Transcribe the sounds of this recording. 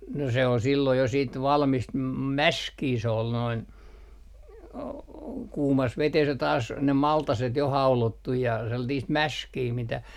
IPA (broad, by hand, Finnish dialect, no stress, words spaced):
no se ol silːoij jɑ siːt ʋɑlmist mɑ mæskiː se ol noin o kuːmɑs ʋetes jɑ tɑːs ne mɑltɑset jo hɑulotːuj jɑ selːɑtiːst mæskiː mitæ